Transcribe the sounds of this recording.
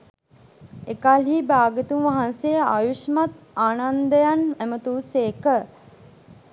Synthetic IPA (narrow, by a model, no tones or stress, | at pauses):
ekalɦiːbaːɡet̪unʋaɦansea̰juʃmat̪̚ | aːnand̪əjanæmət̪uːseːkə